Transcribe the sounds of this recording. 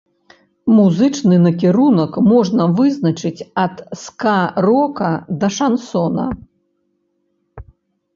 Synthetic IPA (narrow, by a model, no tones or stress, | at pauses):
muzɨt͡ʂnɨnɐkʲɛɾunɐkmɔʐnɐvɨznɐt͡ʂɨt͡sʲɐt̪skarɔkɐd̪ɐʂansɔnɐ̰